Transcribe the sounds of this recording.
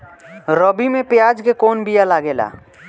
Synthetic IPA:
ɾəbimepjad͡ʒkekonbijalaɡela̰

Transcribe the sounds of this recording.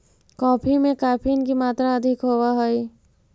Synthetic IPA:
kɔːpʰimẽkaːpʰinkimaːt̪ɾaəd̪ʱɪkɦoːwaɦoi

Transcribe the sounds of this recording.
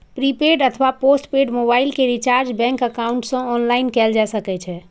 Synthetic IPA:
pɾipeɖət̪ʰəʋaposʈpeɖmobailkeɾit͡ʃaɾd͡ʒbɛ̃ŋkəkauɳʈsə̃ɔnlainkɛld͡ʒasəkɛt͡ʃʰɛ

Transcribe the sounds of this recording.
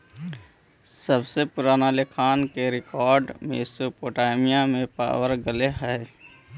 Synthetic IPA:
səbsepʊɾaːnalɪkʰaːnkeɾɪkɔːɾɖmḛːsopoːʈaːɪmijamẽpa̰ːwəɾɡəleɦɛe

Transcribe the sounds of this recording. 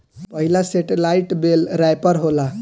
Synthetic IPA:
pəɦilaseʈelaiʈbelɾajpəɾɦola

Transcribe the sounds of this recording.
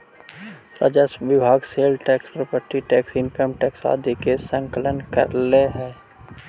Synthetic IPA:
ɾa̰d͡ʒəsʋɪbʱaːɡseːlʈɛːkspɾopəɾʈ̪iʈɛːksɪ̃ŋkəmʈɛːksa̰ːd̪ʱikesə̃ŋkələnkəɾleɦɛː

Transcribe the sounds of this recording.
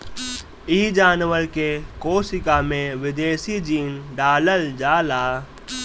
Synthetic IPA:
iːd͡ʒaːnʋəɾkekoːsɪkamẽʋɪd̪eːsid͡ʒiːnɖaːləld͡ʒaːlaː

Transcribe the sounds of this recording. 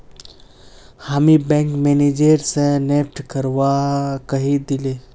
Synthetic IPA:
hamibɛ̃ŋkmened͡ʒeɾsẽnep̚ʈkəɾʋakəɦid̪ɪle

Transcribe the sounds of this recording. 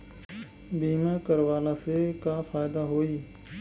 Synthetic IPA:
biːmaːkəɾʋaːlaːsekaːfʰaːjɪd̪aːɦoːiː

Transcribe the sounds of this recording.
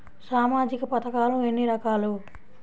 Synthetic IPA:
saːmaːd͡ʒikɐpɐt̪ɐkaːluenːiɾɐkaːlu

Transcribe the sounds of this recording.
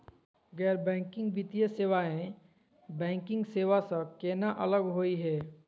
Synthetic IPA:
ɡɛːɾbɛ̃ːŋkɪ̃ŋɡʋit̪ijəseːʋaːẽ | bɛ̃ːŋkɪ̃ŋɡseːʋasəkeːnaʔɐləɡɦoːiɦɛː

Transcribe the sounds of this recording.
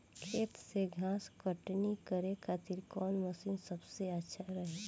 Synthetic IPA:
kʰeːt̪seɡʱãːskəʈnikəɾekʰaːt̪ɪɾkɔːnməsiːnsəbseətːʃʰaɾəɦeː

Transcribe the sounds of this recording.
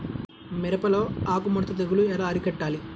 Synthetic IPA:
mɛɾɐpɐlo̞ːaːkumɔɽt̪ɐt̪ɐɡuluɛlaːɐɾikɐʈːaːli

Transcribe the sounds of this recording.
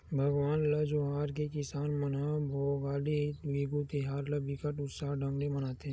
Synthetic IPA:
bʱɐɡʋaːnlɐd͡ʒoɦaːɾkekɪsaːnmənabʱoːɡaːleʋiːɡut̪ɪɦaːɾləbɪkəʈʊt̪saːɖʱə̃ŋɡlemənaːt̪eɦ

